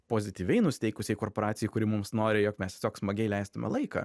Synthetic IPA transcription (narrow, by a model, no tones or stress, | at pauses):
poːzʲɪt̪ʲiːʋʲɛɪnʊsʲɪ̥t̪ʲɛɪkʊsʲɛɪkoːrpoːɾɑːt̪sʲɪjɪkʊɾʲɪmʊmsnoːɾʲɪjoːkmʲɛst̪ʲeɛsʲoːksmɐɡʲɛɪlʲɛɪst̪ʊmʲɛ̰lˠɐɪkɑ̰ː